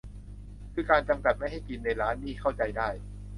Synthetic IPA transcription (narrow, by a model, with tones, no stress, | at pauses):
kʰɯː˧kaː˧nt͡ɕa˧mka˨˩t̪̚a˥˩jɦa˥˩jki˧nːa˧jɾaː˦˥nːiː˥˩kʰa˥˩wt͡ɕa˧jdaː˥˩j